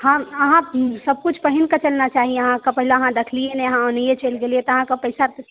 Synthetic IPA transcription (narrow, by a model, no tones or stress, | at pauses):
hãəɦãsəb̚kut͡ʃʰpəɦinkat͡ʃəlnat͡ʃaːɦieəɦãkapəɦileəɦãd̪ekʰlieneəɦãonijet͡ʃelɡeliet̪ɔəɦãkapəɪsa